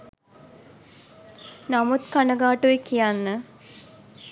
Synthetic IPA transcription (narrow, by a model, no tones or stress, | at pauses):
namut̪kanəɡaːʈuekijanːə